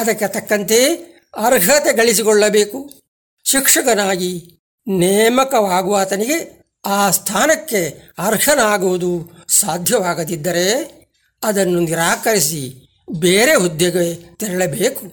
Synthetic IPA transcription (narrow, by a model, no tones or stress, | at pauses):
ɐd̪ɐkːet̪ɐkːɐnt̪e | ɐɾɡʱɐt̪eɡɐɭisikɔɭːɐbe̞ːku | ʃikʂɐkɐnaːɡi | nɛːmɐkɐʋaːɡuʋaːt̪ɐniɡe̞ | aːst̪ʰaːnɐkːe̞ɐɾɡʰʱɐnaːɡuʋud̪usaːd̪ʱjɐʋaːɡɐd̪id̪ːɐɾe̞ | ɐd̪ɐnːuniɾaːkɐɾisi | beːɾeud̪jɐɡɐet̪iɾɐɭɐbeːku